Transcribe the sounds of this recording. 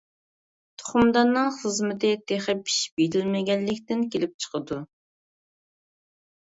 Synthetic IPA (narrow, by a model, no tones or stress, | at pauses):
t̪ʰo̥χʊmd̪ɑnːɨŋχəzmɪt̪ʰɪt̪ʰeχəpʰi̥ʃbeɾɪlmɪɡʲɛnːɪkʲt̪ɪnkʲelɪp̚t͡ʃʰə̥qəd̪u